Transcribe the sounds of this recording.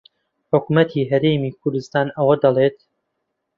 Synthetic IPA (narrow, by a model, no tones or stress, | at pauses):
ħʊkumɐt̪ʰiɦɐɾeːmiːkʰʊɾd̪ɨst̪aːnɐwɐd̪ɐlˠeːt̪